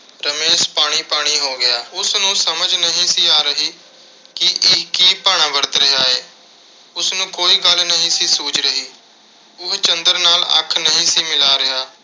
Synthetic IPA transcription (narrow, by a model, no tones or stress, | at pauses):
ɾəmeːʃpaːɽ̃iːpaːɽ̃iːɦoːɡɪjaːʊsnũːsəməd͡ʒnəɦĩːsiːaːɾəɦiː | kɪʔɪkiːpaːɽ̃ãːbəɾət̪ɾəɦaːɛː | ʊsnũːkoːiːɡəlnəɦĩːsiːsuːt͡ʃɾəɦiː | ʊkt͡ʃənd̪əɾnaːlə̰kʰːnəɦĩːsiːmɪlaːɾɪɦaː